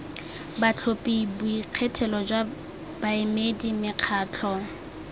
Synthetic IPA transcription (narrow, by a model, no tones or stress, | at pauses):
bat͡ɬʰopʼibwiq͡χʰɛtʰɛlɔd͡ʒwa | baɪmedimɪq͡χʰaːt͡ɬʰɔ